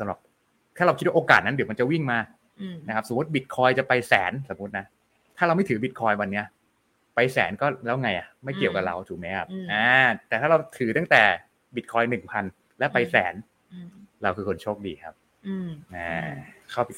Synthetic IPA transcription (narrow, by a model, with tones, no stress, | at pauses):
sa˧˦mɾa˨˩p̚ | t̪ʰaː˥˩ɾa˧wʰi˦t̪̚wa˥ʔoː˧ka̰ː˨˩t̪̚na˦˥di˩˦ma˧nt͡ɕa˨˩wi˥˩ŋmaː˧ | na˦˥kʰa˦˥p̚so˩˦mu˦˥t̪̚bi˨˩t̪̚kʰɔː˧jt͡ɕa˨˩pa˧jsɛ̰ː˩˦nsa˨˩˦mːu˦˥t̪̚na˦˥ | t̪ʰaː˥˩ɾa˧wma˥˩jt̪ʰɯː˩˦bi˨˦t̪̚kʰɔː˧jwa˧nːi˦˥ɐ | pa˧jsɛ̰ː˩˦nkɔː˥˩lɛː˦˥wŋa˧jʔa˨˩ma˥˩jki˨˩əwka˨˩ɾa̰˧wt̪ʰuː˨˩mɛː˦˥kʰa˦˥p̚ʔaː˧˩t̪ɛː˨˩t̪ʰa˥˩ɾa˧wt̪ʰɯː˩˦t̪a˥˩t̪ɛː˨˩ | bi˨˩t̪̚kʰɔː˧jnɯ˨˩ŋpʰa˧n | lɛ˦˥pa˧jsɛ̰ː˩˦n | ɾa˧wkʰɯː˧kʰo˧nt͡ɕʰoː˥˩k̚diː˧kʰa̰˦˥p̚ | ʔaː˧˩kʰa˥˩wpi˨˩